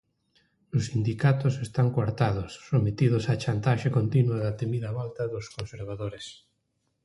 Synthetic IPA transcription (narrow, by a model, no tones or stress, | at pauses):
osːind̪ikat̪osest̪aŋkwaɾt̪að̞osːomet̪ið̞osat͡ʃant̪aʃekont̪inwuaðat̪emiðaβalt̪aðoskonseɾβ̞aðoɾes